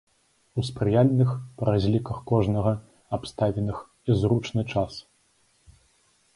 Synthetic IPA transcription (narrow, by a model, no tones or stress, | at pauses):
uspɾɨjalʲnɨxpɐɾazʲlʲikɐxkɔʐnɐɣɐ | apst̪avʲɛnɨx | izɾut͡ʂnɨt͡ʂas